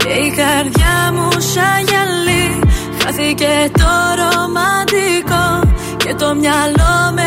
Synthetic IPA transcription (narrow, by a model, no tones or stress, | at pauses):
ejɣaɾðjamuʃajalːi | xaθiket̪oɾomad̪iko | ket̪omjalome